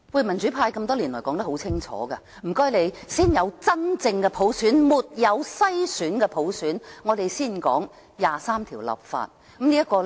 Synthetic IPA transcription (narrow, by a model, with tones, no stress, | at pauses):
wuː˨˧jmɐ˨˩nt͡ʃy˨˥pʰaː˧jkɐ˧mt̪ɔː˥liː˨˩nlɔː˨˩jkɔː˨˥ŋt̪ɐ˥hwt͡sʰɪ˥ŋt͡ʃʰɔ̰ː˨˦ɡɐ˧ | m̩˨˩kɔː˥jle˨˧jsiː˥njɐ˨˧wt͡sɐ˥nt͡sɪ˧ŋkɛ˧pʰo˨˥wsyː˨˥nmuː˨t̚jɐ˨˧wsɐ˥jsyː˨˥nkɛ˧pʰo˨˥wsyː˨˥nŋɔː˨˧t̪e˨jsiː˥˩nkɔ̰ː˨˥ŋ | jaː˨saː˥mt̪ʰiː˨˩wlɐ̰˨p̚fa̰ː˧t̚ | kɐ˨˦mniː˥ɐ˥kːɔː˧l